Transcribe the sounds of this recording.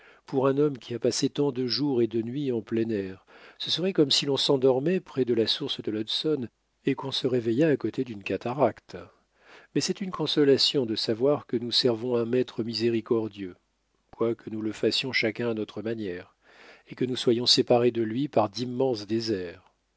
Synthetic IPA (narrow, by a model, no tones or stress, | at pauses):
puʁɛ̃nɔmkʲiapaset̪ɑ̃d̪əʒuʁed̪ənɥiɑ̃plɛnɛʁsəsəʁɛkɔmsilɔ̃sɑ̃d̪ɔʁmɛpχɛd̪əlasuʁsd̪əlɔd̪sɔn | ekɔ̃səʁevejaːkot̪ʰed̪ynkʲat̪aʁakt̪ | mɛsɛt̪ynkɔ̃sɔlasjɔ̃d̪əsavwaʁkənusɛʁvɔ̃ɛ̃mɛt̪χəmizeʁikɔʁd̪jø | kwakənuləfasjɔ̃ʃakʲɛ̃anɔt̪χəmanjɛʁ | ekənuswajɔ̃sepaʁed̪əlɥipaʁd̪imːɑ̃sd̪ezɛːʁ